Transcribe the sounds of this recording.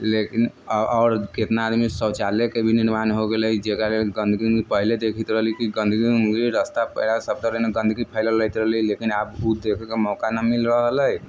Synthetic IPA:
lekin | ɔːɾket̪naːd̪misət͡ʃalekebʱiniɾmanɦoɡeləid͡ʒekalelɡənd̪ʱɡiipəɦiled̪ekʰit̪ɾəɦlikiɡə̃nd̪ʱɡiŋɡɾiɾəst̪apəlasəb̚t̪əɾəneɡə̃nd̪ʱɡipʰəɪlələjt̪ɾəɦlilekinabud̪ekʰekemɔkanəmilɾəɦləj

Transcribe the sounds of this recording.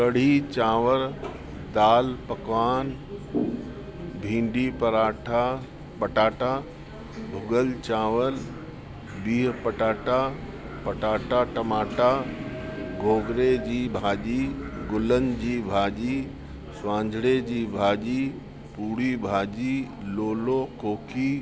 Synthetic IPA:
kɐɽ̤it͡ɕãːʋəɾ | d̪aːlpɐkʋaːn | bʱĩːɳɖipɐɾaːʈʰa | pɐʈaːʈa | bʱʊɡəlt͡ɕaːʋəl | biːɦpɐʈaːʈa | pɐʈaːʈaʈɐmaːʈa | ɡʱoːɡɾed͡ʑiːbʱaːʄiːɡʊlənɪ̆d͡ʑiːbʱaːʄi | sʋãːɲd͡ʑʱɽed͡ʑiːbʱaːʄiː | puːɽibʱaːʄiːloːlokoːkʰiː

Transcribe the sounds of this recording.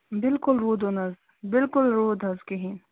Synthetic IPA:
bɪlkʊlɾoːd̪onɐz | bɪlkʊlɾoːd̪ʱɐzkeɦin

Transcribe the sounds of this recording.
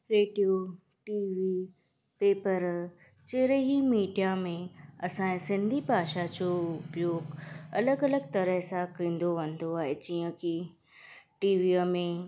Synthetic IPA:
ɾeːɖijo | ʈiːʋi | peːpəɾ | t͡ɕeːɾeɦimiːɖijamẽɐsãːsɪ̃nd̪ʱibʱaːʃad͡ʑoʊpjoːɡɐləɡɐləɡt̪ɐɾəɦsãkĩːnd̪oʋɐ̃nd̪oaːɦed͡ʑiːə̃ki | ʈiːʋiəmẽ

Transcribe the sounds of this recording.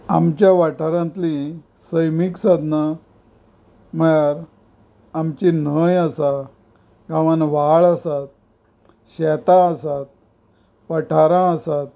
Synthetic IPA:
a̰mt͡ɕjaʋaʈʰaɾãnt̪li | səjmiksad̪na | məjaɾ | amt͡ɕinəjasa | ɡaʋanʋaɭasat̪̚ | ɕɛt̪aːsat̪̚ | pəʈʰaɾãəsat̪̚

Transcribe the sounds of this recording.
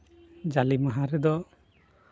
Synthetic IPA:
d͡ʒalimaɦaɾɛd̪ɔ

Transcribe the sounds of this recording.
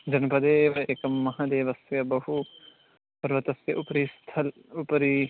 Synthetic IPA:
d͡ʒɐnpɐd̪eːʋɐeːkɐmːɐɦaːd̪eːʋɐsjɐbɐɦu | pɐɾʋɐt̪ɐsjɐʔupɾist̪ʰɐl | upɾi

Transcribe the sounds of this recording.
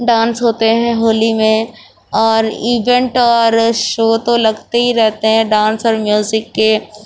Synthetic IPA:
ɖãːnsɦoːt̪eɦɛ̃ɦoːlimẽ | ɔːɾiːʋɛ̃ɳʈɔːɾʃoːt̪olɐɡt̪eɦiɾɛɦt̪eɦɛ̃ɖãːnsɔːɾmjuːzɪkːe

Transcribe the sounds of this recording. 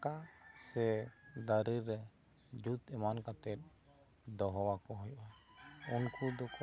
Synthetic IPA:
kasɛd̪aɾiɾɛ | d͡ʒut̪ɛmankat̪ɛt̪̚ | d̪ɔɦɔwakɔɦɔjʔɔ | unkud̪ɔkɔ

